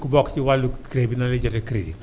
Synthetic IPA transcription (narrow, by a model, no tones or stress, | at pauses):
kubɔkt͡ʃiwalukɾebinaled͡ʒɔtɛkɾḛdḭ